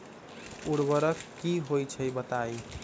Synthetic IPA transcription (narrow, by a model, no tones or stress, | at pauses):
uɽbəɾəkkːiɦojt͡ʃʰəjbət̪aj